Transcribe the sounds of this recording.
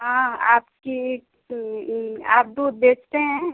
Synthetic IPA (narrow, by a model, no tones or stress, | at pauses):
ɦãaːpki | aːp̚d̪uːd̪̚beːt͡ʃʰt̪eɦɛ̃ː